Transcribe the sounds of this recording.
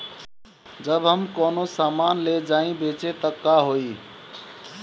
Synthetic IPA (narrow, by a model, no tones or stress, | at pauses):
d͡ʒəbɦəmkɔnosamanled͡ʒaĩbet͡ʃet̪əkːaɦoi